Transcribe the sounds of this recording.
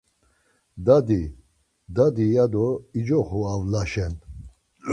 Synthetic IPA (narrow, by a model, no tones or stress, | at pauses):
d̪ad̪i | d̪ad̪ijad̪ɔid͡ʒɔχɔavlaʃɛn